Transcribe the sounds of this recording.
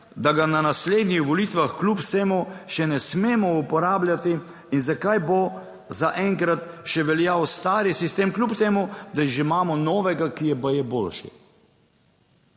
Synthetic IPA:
d̪aɡananasleːd̪nʲixʋɔlit̪ʋaxklupseːmuʃɛnɛsmeːmɔupɔɾaːblʲjat̪iː | nzakajbo | zaʔɛŋkɾat̪ʃɛʋɛljawst̪aːɾisist̪eːmklʲupt̪eːmud̪aiʒimaːmɔnɔːʋɛɡakijɛbajɛbolʃḭ

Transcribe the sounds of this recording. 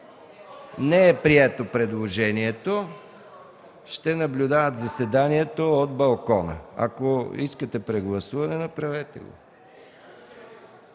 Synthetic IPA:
nɛɛpɾiɛt̪opɾɛd̪lˠoʒɛniɛt̪o | ʃt̪ɛnɐblʲʊd̪avət̪zɐsɛd̪aniɛt̪ood̪̚bɐlˠkɔnə̰a̰koiskət̪ɛpɾɛɡlˠɐsuvɐnɛnɐpɾɐvɛt̪ɛ̰ɡo̰

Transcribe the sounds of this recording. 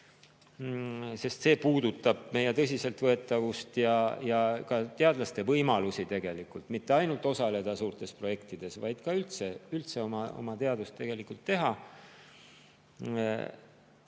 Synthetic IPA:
se̞st̪se̞ːpuːd̪ut̪ːˑɑb̥̚me̞jet̪ɤs̬ʲise̞lt̪vɤ̞e̞t̪ːˑɑvust̪jɑjɑkɑt̪e̞ɑd̪̥lɑst̪e̞vɤjmɑlusit̪e̞ɡ̥e̞likːult̪ˑmit̪ːe̞ɑjnult̪ːˑosɑle̞d̪̥ɑsuːrt̪ˑe̞spro̞je̞kt̪id̪̥e̞svɑjd̪̥kɑylt̪seylt̪se̞omɑo̞̰mɑt̪e̞ɑd̪ust̪t̪ːe̞ɡ̥e̞likˑult̪ːe̞ɦɑ

